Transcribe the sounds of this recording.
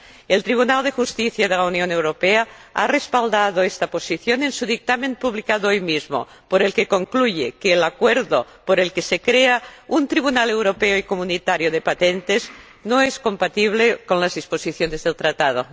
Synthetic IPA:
elt̪ɾiβ̞unald̪exust̪iθjað̞elaunjonewɾopea | a̰respald̪aðoest̪aposiθjone̞nsuðik̚t̪amẽnpuβlikaðoojmizmo̰ | poɾelkekoŋkluʝekeːlakweɾðo | poɾelkesekɾeaunt̪ɾiβ̞unalewɾopeoikomunit̪aɾjoðepat̪ent̪ez | noeskompat̪iβ̞lekonlazðisposiθjonezðelt̪ɾat̪að̞o

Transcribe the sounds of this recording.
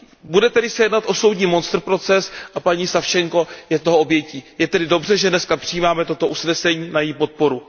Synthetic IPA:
budɛt̪ɛdɪsɛjɛdnat̪ʔo̞sowdɲiːmo̞nst̪r̩pɾo̞t͡sɛsʔapaɲiːsafʃɛŋko̞jɛt̪oɦoo̞bjɛciːjɛt̪ɛdɪdo̞brɛʒɛdnɛskapr̥ɪjiːmaːmɛt̪o̞t̪o̞ʔusnɛsɛɲiːnajɛjiːpo̞t̪̚po̞ɾu

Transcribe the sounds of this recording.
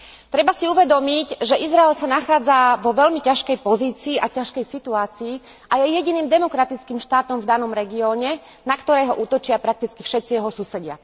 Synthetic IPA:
t̪ɾɛbasiuʋɛd̪ɔmicʒɛʔizɾaɛlsanaxaːd͡zaʋɔʋɛʎmicaʃkɛjpɔziːt͡siːʔacaʃkɛjsit̪uaːt͡siː | ʔajɛjɛɟiniːmd̪ɛmɔkɾat̪it͡skiːmʃt̪aːt̪ɔmvd̪anɔmɾɛɡiɔːɲɛ | nakt̪ɔɾɛːɦɔʔuːt̪ɔt͡ʃɪapɾak̚t̪it͡skifʃɛt̪sijɛɦɔsusɛɟɪa̰

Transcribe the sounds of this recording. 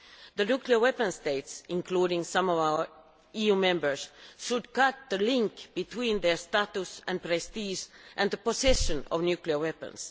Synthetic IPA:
ðənjʉkliə˞wɛpə̃nst̪eɪtsʔɪ̃nkʰluːɾɪ̃ŋsʌ̃mɔvaʊə˞ | ijumɛ̃mbə˞sʃʊdkʌt̪̚ðəlɪ̃ŋkb̥ɨt̪ʰwĩnðə˞statusɨ̃npɹɛstiʒʔɨ̃nðəposɛʃɨ̃nɔ̰vnjʉkliə˞wɛpə̰̃ns

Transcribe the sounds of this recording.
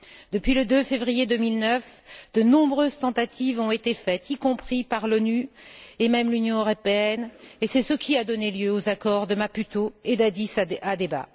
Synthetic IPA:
d̪əpɥiləd̪øfevʁijed̪ømilnœfd̪ənɔ̃bʁøzt̪ɑ̃t̪at̪ʰivɔ̃et̪efɛt̪ikɔ̃pχipaʁlɔnyemɛmlynjɔ̃øʁɔpeɛnesɛsəkʲʰiad̪ɔneljøozakɔʁd̪əmapyt̪oed̪ad̪isaad̪eba̰

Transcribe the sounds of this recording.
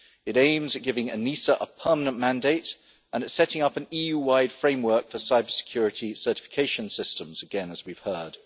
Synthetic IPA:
ɨɾẽɪ̃mzɨt̚ɡ̥ɪvɪ̃ŋə̰nisəʔəpʰɜːˑmənə̃nmæ̃ndeɪt | ʔə̃nətsɛtɪ̃ŋʌpə̃niːjʉːwaɪd̥fɹẽɪ̃mwɜˑ˞kfəsaɪbəsɪ̥kʰj̥ɔːɹɨtʰisɜˑ˞tɪ̥fɪ̥kʰeɪʃə̃nsɪstə̃mz̥əɡɛ̃nəzwiv̥hɜːd̥

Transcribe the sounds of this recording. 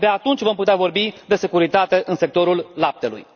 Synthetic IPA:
beat̪unt͡ʃʲvo̞mput̪eavo̞rbid̪e̞se̞kuɾit̪at̪e̞ʔɨnse̞k̚t̪o̞ɾullap̚t̪e̞lṵj

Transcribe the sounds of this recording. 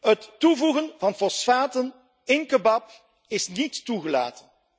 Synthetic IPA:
ətːuvuɣənvɑnfɔsfaːtən | ɪnkəbɑp | ɪsnitːuɣəla̰ːtən

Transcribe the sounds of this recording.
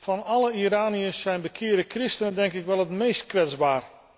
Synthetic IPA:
fɑnɑlˠəiɾaːniəsːɛjnbəkʰɪədəkrɪstənədɛŋkɪkʋɛlˠətmejst̚kʋɛd͡zbaːr

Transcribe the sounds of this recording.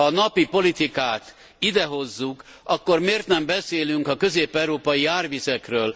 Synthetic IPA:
ɒnɒpipo̞lit̪ikaːt̪ | id̪ɛɦo̞zːuk | ʔɒkːormeːrt̪nɛmbɛseːlyŋkɒkø̞zeːpɛɾoːpɒjiaːrvisɛkrøːl

